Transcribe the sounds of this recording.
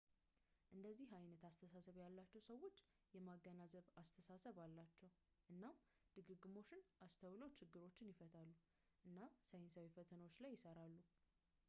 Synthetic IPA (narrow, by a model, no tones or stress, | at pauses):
ʔɨnd̪əzːihajnət̪ast̪ʰəsasəβjalːat͡ʃːɛwsəwːo̞t͡ʃː | jɛmaɡːənazəβast̪ʰəsasəβalːat͡ʃːɛw | ʔɨnːam | d̪̥ɨɡɨɡɨmo̞t͡ʃːɪnʔast̪ʰəwləwt͡ʃʰɪɡːɨɾo̞t͡ʃːɪnjɪfət̪ʰalːu | ʔɨnːasəjɪnsawefət̪ʰənəwot͡ʃːlajːɪsəɾalːu